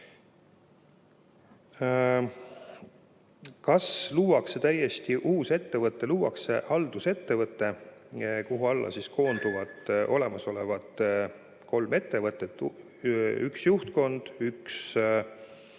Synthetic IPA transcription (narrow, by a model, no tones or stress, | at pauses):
kɑsluːwɑkset̪æjːe̞st̪iʔuːse̞t̪ːe̞vɤt̪ˑːe̞luːwɑ̰ksehɑld̪̥use̞t̪ːe̞vɤt̪ːˑe̞ | koɦuɑlːɑ̰sisko̞ːnd̪̥uvɑt̪ʔo̞le̞mɑso̞levɑt̪ | kʰo̞lme̞t̪ːe̞vɤt̪ːˑe̞t̪ːˑ | yksjuht̪ko̞nd̪̥yks